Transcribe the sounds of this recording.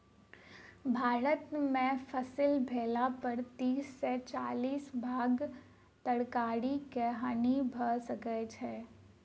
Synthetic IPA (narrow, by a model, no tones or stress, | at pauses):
bʱaːɾət̪mẽfʰəsɪlbʱeːlapəɾt̪iːsːet͡ʃaːliːsbʱaːɡ | t̪əɽkaːɽikɛɦaːnibʱəsəkət͡ʃɦɛː